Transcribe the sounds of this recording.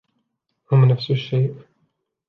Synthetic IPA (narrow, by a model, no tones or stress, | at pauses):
hʊmnafsʊʃːejʔ